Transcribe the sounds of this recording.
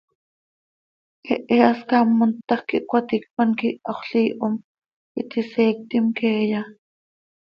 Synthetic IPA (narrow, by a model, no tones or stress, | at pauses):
ʔeʔeaskamːont̪ːɑχkiʔkʷat̪ik̚paŋkiʔaχɬiːʔom | it̪iseːk̚t̪imkeːja